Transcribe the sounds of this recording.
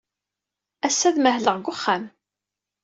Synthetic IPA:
æsːæðməɦləʁɡʷʊχːam

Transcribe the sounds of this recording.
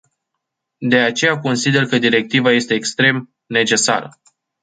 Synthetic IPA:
d̪e̞at͡ʃe̞jako̞nsid̪e̞rkəd̪iɾe̞k̚t̪ivaje̞st̪e̞ːkst̪ɾe̞m | ne̞t͡ʃe̞sa̰ɾə̰

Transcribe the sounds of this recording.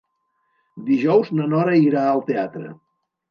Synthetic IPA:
d̪iʒɔwznənɔɾəiɾaəlˠt̪eat̪ɾə̰

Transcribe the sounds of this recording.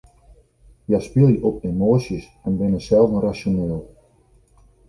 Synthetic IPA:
jaspɪlˠjəʔɔp̚emoːsis | ɛnbɪnəsɛlˠvənrasoneːlˠ

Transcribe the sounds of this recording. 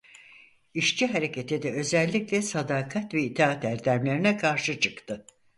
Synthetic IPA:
iʃt͡ʃiɦaɾe̞cʰet̪ʰid̪ɛø̞zɛlʲːiclʲɛsad̪aːkʰat̪vɛit̪ʰaːt̪æɾd̪æmlʲe̞ɾinɛkʰaɾʃɯt͡ʃʰɯkt̪ʰɯ

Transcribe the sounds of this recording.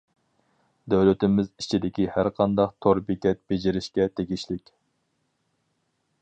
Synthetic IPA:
d̪øwlɪt̪ɪmɪzit͡ʃʰid̪ɪkʲihæɾqʰɑnd̪ɑqt̪ʰoɾbikʲɛt̪̚bed͡ʒɪɾɪʃkʲɛt̪ʰeɡʲiʃlɪkʲ

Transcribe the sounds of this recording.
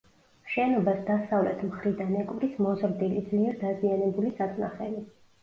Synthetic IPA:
ʃɛnɔbasd̪asavlɛ̰t̪ʰmχɾid̪anɛkʼvɾismɔzɾd̪ilid̪zliɛɾd̪azianɛbulisat̪ʼnaχɛ̰li

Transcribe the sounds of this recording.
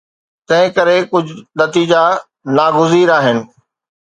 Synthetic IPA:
t̪ɐ̃ɦɪ̃kɐɾekʊd͡ʑ̆ʱnɐt̪iːd͡ʑa | naːɡʊziːɾaːɦɪnɪ̆

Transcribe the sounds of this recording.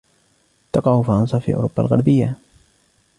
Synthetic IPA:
t̪ɑqɑhʊfɾˤɑnsɑfḭːʔʊ̰ɾʊbːalɣaɾbɪjːa

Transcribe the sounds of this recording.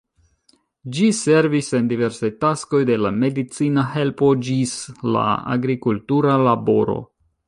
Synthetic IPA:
d͡ʒise̞ɾvise̞ndive̞ɾsajtasko̞jde̞lame̞dit͡sinaɦe̞lpo̞d͡ʒisla̰a̰ɡɾikultuɾalabo̞ɾo̞̰

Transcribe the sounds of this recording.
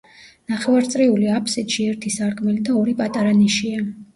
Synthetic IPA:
naχɛvaɾt̪sʼɾiuliapʰsit̪ʃiɛɾt̪ʰisaɾkʰʼmɛlid̪aɔɾipʼat̪ʼaɾaniʃia

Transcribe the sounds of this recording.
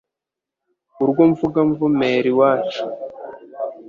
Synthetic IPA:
uɾɡoɱvuɡaɱvumeːɾiwaːt͡ʃi̥

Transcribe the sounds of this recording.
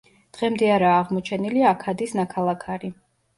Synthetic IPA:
d̪̥ʁɛmd̪ɛaɾaːʁmɔt͡ʃʰɛniliakʰad̪isnakʰalˠakʰaɾi

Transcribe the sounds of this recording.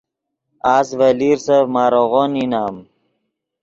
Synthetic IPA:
aːsvəliɾsavmaːɾoɣoninaːm

